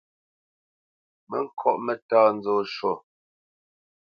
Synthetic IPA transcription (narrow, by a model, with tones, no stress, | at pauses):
mə˦ŋ̩˦kʰɔ˦ʔmɛ˨taː˦n̩˦d͡zoː˦˨ʃo˦˨